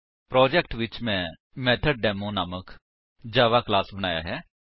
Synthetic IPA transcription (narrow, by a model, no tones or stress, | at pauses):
pɾɔːd͡ʒɛkʈʋɪt͡ʃmɛ̃ː | mɛːt̪ʰəɖ̚ɖɛːmõːnaːmək | d͡ʒaːʋaːklaːsbənaːja̰ːɦɛː